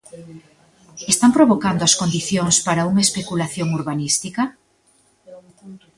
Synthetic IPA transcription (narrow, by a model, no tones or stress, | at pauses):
est̪ampɾoβokand̪oɐskond̪iθjoŋspaɾauŋɐespekulaθjoŋuɾβanist̪ikɐ